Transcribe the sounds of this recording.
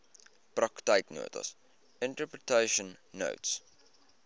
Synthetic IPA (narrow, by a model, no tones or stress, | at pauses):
pɾɔktaɪtno̰ːtə̰s | ɪ̃ntəpɹətʰeɪʃə̃nːo̰ʊts